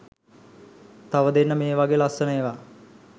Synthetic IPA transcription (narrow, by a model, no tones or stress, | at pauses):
t̪aʋəd̪enːəmeːʋaɡeːlasənəjʋa